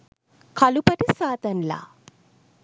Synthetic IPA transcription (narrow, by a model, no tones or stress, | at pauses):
kʰalupaʈisaːt̪ənla̰